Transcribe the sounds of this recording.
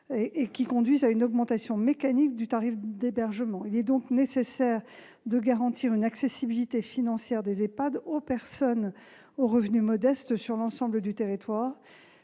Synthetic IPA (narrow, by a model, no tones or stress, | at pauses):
eʔekʲikɔ̃d̪ɥizaynɔɡmɑ̃t̪asjɔ̃mekanik̚d̪yt̪aʁifd̪ebɛʁʒəmɑ̃ilɛd̪ɔ̃knesesɛʁ | d̪əɡaʁɑ̃t̪ʰiʁynaksesibilit̪efinɑ̃sjɛʁd̪ezepad̪opɛʁsɔn | oʁəvnymɔd̪ɛst̪syʁlɑ̃sɑ̃bləd̪yt̪eʁit̪waːʁ